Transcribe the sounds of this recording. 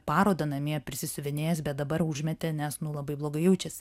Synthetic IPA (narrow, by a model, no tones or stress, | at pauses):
pɑːɾoːd̪ɐnɐmʲiɛpʲɾʲɪsʲɪsʊʋʲɪnʲeːjɛsbʲɛt̪̚d̪ɐbɐɾʊʒʲmʲɛt̪ʲenʲɛsnʊlˠɐbɐɪblˠoːɡɐɪjɛʊt͡ʃʲɛs